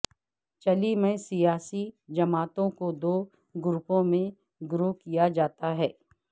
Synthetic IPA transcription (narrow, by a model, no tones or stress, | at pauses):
t͡ʃɐlimẽsijaːsid͡ʒɐmaːt̪õkod̪oː | ɡʊɾupõmẽ | ɡɾoːɦkijad͡ʒaːt̪aɦɛː